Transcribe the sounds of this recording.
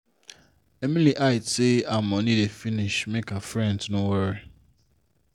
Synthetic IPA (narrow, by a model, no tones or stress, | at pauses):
emĩliʔaɪteamɔnĩdefiniʃmekafɾɛ̃ndnoweɾi